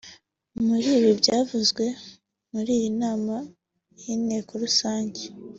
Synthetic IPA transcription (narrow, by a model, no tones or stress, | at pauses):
muɾiːβibɟaːvuzɡwe̞ | muɾiːjinaːma | jine̞ːkoɾusaːɲɟe